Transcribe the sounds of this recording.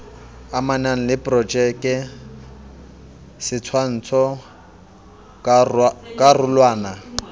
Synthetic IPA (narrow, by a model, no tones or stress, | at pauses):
amanan̩lɪpʼrɔd͡ʒʼɛkʼɛ | sɪt͡sʰwan̩t͡sʰɔ | kʼarʊlwaːna